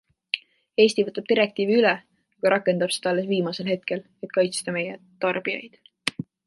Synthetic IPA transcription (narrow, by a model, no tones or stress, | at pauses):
e̞ːsʲt̪ivɤt̪ːˑɑb̥̚t̪iɾek̚t̪iːviylɛ | ɑɡ̥ɑɾʔɑkːˑe̞nd̪ɑb̥sed̪ɑɑlːesviːmɑse̞lɦe̞t̪̚ke̞le̞t̪kɑjt̪st̪ɑme̞je | t̪ɑrb̥ijɑ̰jd̪̥